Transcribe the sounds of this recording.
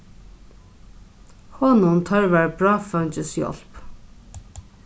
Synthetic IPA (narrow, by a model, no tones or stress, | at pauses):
hɔːnʊmt̪ʰœɹvaɹbɹaːfœnt͡ʃəsjɔ̰l̥p